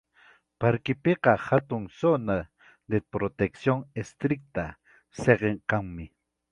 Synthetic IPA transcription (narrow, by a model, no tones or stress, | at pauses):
paɾkɪpeqɑhat̪ʊŋsona | d̪epɾot̪eksjoŋest̪ɾɪk̚t̪a | seqeŋkaŋmɪ